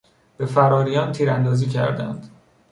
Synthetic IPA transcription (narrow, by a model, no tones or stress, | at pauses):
b̥e̞fæɾɒːɾijɒːnt̪ʰiːɾænd̪ɒːziːcʰæ̰ɾd̪æ̰nd̪